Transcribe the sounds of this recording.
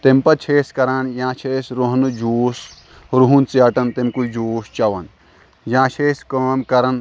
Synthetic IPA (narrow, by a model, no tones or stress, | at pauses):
t̪empɐt͡ʃʰeːskɐɾanjãːt͡ʃʰeːsɾoɦnɨd͡ʒuːs | ɾuɦunt͡siɐʈɐnt̪emkud͡ʒuːst͡ʃɐʋɐn | jãːt͡ʃʰeːskɐːmkɐɾɐn